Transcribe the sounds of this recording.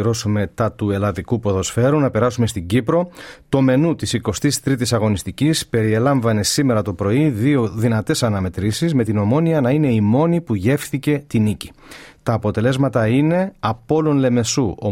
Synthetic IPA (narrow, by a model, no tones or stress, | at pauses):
ɾo̞sume̞t̪ɐt̪ue̞lɐðikupo̞ðo̞sfe̞ɾunɐpe̞ɾɐsume̞st̪iɲɟipɾo̞t̪o̞me̞nut̪isiko̞st̪ist̪ɾit̪isɐɣo̞nist̪icispe̞ɾie̞lɐɱvɐne̞sime̞ɾɐt̪o̞pɾo̞iðio̞ðinɐt̪e̞sɐnɐme̞t̪ɾisizme̞t̪ino̞mo̞niɐnɐine̞imo̞nipuʝe̞fθice̞t̪inici̥ | t̪ɐːpo̞t̪e̞le̞zmɐt̪ɐine̞ɐpo̞lonle̞me̞suʔo